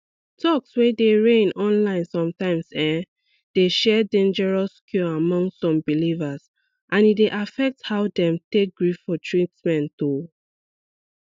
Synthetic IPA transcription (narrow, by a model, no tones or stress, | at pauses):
tʰɔkswedeɹẽnɔ̃nlãɪ̃nsɔ̃mtãɪ̃msɛ̃ | d̥eʃɛdẽnd͡ʒɛɹaskʰjɔamɔ̃ŋssɔ̃mbilivas | ʔãnitdeʔafɛk̚thaʊdɛ̃mtek̚ɡɹiffɔtʰɹitsmɛ̃nto